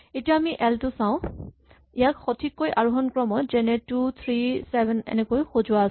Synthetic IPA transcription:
etijaːmiʔɛltʊsãʊ̃ | ijakxotʰikːojʔaɹuɦɔnkɹɔmɔɹzɛnɛtut̪ʰɹisɛbɛnɛ̰nɛkojxozʊas

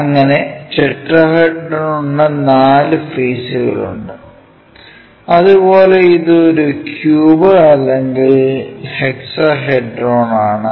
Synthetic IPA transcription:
ɐŋːɐne̞t͡ɕeʈrɐɦeɖrɐonunːɐnaːlɨfeːsuɣɐ̰ɭṵɳɖɨ | ɐðubo̞ːle̞iðɨoɾukjuːbɐrɐlːe̞ŋɡilheksɐɦeɖroːɳaːɳɨ

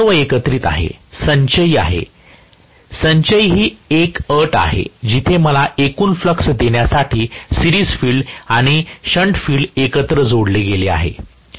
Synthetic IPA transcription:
ʋəekət̪ɾiːt̪a̰ɦḛsəɲt͡ɕəjia̰ɦḛ | səɲt͡ɕəjɦiːekəʈa̰ɦḛd͡ʑit̪ʰeməlaʔekuːnfləksd̪eɳjasaʈʰiːsiɾiːd͡zfiːlɖaɽ̃iɕəɳʈfiːɭɖekət̪ɾəd͡zoɽleɡelea̰ɦḛ

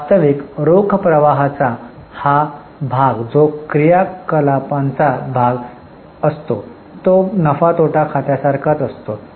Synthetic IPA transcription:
ast̪əʋikɾokʰpɾəʋaɦat͡saha | bʱaɡd͡zokɾijakəlapãnt͡sabʱaɡ | əst̪o | t̪onəfat̪oʈakʰat̪jasaɾkʰat̪əst̪o

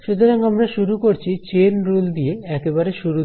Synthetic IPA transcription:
ʃut̪oɾaŋamɾaʃuɾukoɾt͡ɕʰit͡ɕenɾuld̪ijeɛkebaɾeʃuɾu

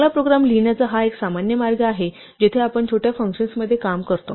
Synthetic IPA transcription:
lapɾoɡɾamliɳjat͡səɦaeksamanjəmaɾɡəaɦe | d͡ʑet̪ʰeapəɳt͡ɕʰoʈjafəŋkɕənsməd̪ʱːjekamkəɾt̪o

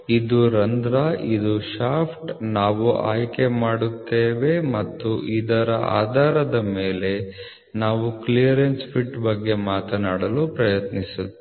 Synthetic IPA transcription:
id̪uɾɐnd̪ɾaʔid̪uʃaːpʰʈnaːʋuʔa̰ːjke̞maːɽut̪ːeːʋe̞mɐt̪ːuʔid̪ɐɾɐʔa̰ːd̪ʱaːɾɐd̪ɐme̞ːle̞ | naːʋuklijɐɾenspʰiʈːbɐɡːe̞maːt̪ɐnaːɽɐlupɾɐjɐt̪nisu

